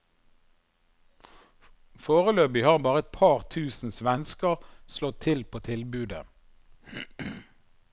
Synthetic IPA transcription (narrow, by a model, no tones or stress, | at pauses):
foːʁəløːbɪhɑːʁbɑːʁəɛt̪̚pʰɑːʁt̪ʰʉːsn̩sʋɛnskəʁslɔt̪ʰɪlpʰoːt̪ʰɪlbʉːd̪ə̰